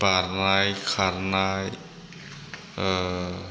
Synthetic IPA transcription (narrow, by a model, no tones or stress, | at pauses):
baɾnajkʰaɾnaj